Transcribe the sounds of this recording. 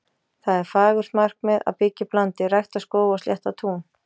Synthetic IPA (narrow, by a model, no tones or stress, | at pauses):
θaðɛɾfaːɣʏɾ̥smar̥kmɛða̰ðpɪcːɪplant̪ɪrajxt̪askoːwɣɔst̪jɛht̪at̪ʰuːn